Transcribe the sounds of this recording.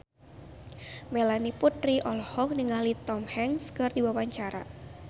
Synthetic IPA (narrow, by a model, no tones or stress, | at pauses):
melaniput̪riʔɔlɔhɔk̚nəŋalit̪ɔmhɛŋskɨrdiwawaɲt͡ʃaɾa̰